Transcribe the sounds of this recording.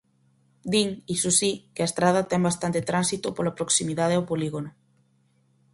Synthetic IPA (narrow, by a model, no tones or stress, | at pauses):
d̪iŋisusikeaest̪ɾað̞at̪ɛŋbast̪ant̪et̪ɾansit̪opolapɾoksimiðað̞eawpoliɣono